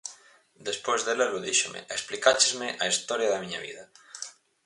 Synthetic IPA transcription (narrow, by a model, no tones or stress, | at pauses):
d̪espojzðeleloðiʃomḛeksplikat͡ʃezmɪʔaist̪ɔɾjaðɐmiɲaβḭðɐ